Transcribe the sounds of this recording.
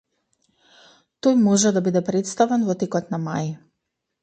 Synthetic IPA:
t̪ojmɔʒɛd̪abid̪ɛpɾɛt̪st̪avɛnvɔt̪ɛkɔt̪nama̰j

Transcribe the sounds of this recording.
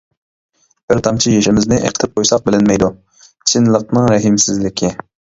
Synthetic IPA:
b̥ɪɾt̪ʰɑmt͡ʃʰijeʃɪmɪznɪʔḛqʰə̥t̪ʰɪp̚qʰojsɑq̚bɪlɪnmɛjd̪u | sʰɪnlˠəq̚nɨŋɾɛɦɪmsɪzlɪkʲʰɪ

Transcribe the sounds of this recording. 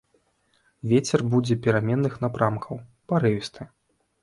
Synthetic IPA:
vʲet͡sʲɛrbud͡zʲɛpʲiɾamʲɛnːɨxn̪apɾamkʰɐw | paɾɨvʲist̪ɨ

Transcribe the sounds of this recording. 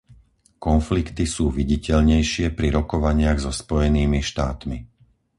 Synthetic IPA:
kɔnflikt̪isuːʋiɟicɛʎɲɛjʃɪɛpɾiɾɔkɔʋaɲɪaɣzɔspɔjɛniːmiʃt̪aːt̪mi

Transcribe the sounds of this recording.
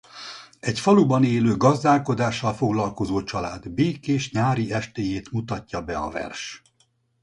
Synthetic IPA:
ɛcfɒlubɒneːløːɡɒzd̪aːlko̞d̪aːʃːɒlfo̞ɡlɒlko̞zoːt͡ʃɒlaːd̪beːkeːʃɲaːɾiɛʃt̪eːjeːt̪mut̪ɒcːɒbɛɒ̰vɛ̰rʃ

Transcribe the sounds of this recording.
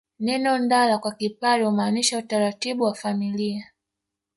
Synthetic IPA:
nɛnɔndalakwakipaɾiumaːniʃautaɾatiɓuwafamilia

